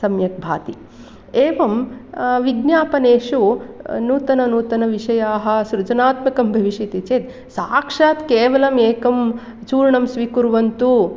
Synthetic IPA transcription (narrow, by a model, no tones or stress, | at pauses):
sɐmjɐk̚bʱa̰ːt̪i | eːʋɐmʋiɡnjaːpɐneːʂunuːt̪ɐnɐnuːt̪ɐnɐʋiʂɐjaːɦɐ̆sɾud͡ʒɐnaːt̪mɐkɐmbʱɐʋiʂit̪it͡ʃeːt̪ | saːkʂaːt̪keːʋɐlɐmeːkɐm | t͡ʃuːɾɳɐmsʋikuɾʋɐnt̪u